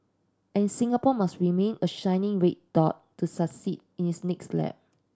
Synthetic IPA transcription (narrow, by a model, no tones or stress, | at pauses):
ʔɛ̃nsĩŋapɔmasɹimẽnəʃãɪnɪ̃ŋɹet̚d̥ɔt̚tːusaksid̚ | ĩnhisnɛkslɛ̰p̚